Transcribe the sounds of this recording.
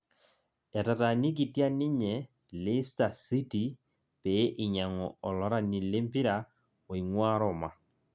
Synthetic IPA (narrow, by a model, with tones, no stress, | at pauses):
ɛ˨ta˨ta˨ni˦k̬i˨tja˦nɪ˦ɲɛ˨ | lɪ˦sta˨si˦ti˨ | pe˨˦ʔɪ˨ɲa˨ŋɔ˨ɔ˨lɔ˨˦ɾa˦˨ni˨le˦mpi˦ɾa˨ | o˨i˨ŋwaː˦ɾɔ˨ma˨